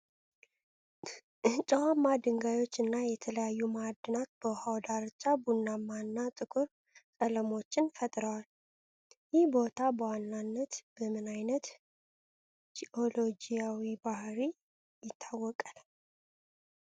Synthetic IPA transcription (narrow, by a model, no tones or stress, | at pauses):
ht͡ʃʼːəwamːad̪ɨŋɡajo̞t͡ʃːɨnːajɛt̪ʰələjajːumad̪ːɨnat̪̚b̥əhawd̪aɾt͡ʃʼːabunːamːanːat̪ʼɨkʼuɾ | kʼələmo̞t͡ʃːɪnfət̪ʼɾəwal | jɪhbo̞t̪ʰabəwanːanːət̪b̥əmɨnajnət̪ | siʔolo̞d͡ʒijawibahɾi | jɪt̪ʰːawːɔkʼal